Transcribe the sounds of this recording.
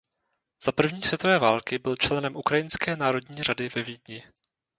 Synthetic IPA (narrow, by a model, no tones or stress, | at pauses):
z̥apr̩vɲiːsvjɛt̪ovɛːvaːlkɪbɪlt͡ʃlɛnɛmʔukɾajɪnskɛːnaːɾo̞dɲiːradɪvɛviːdɲɪ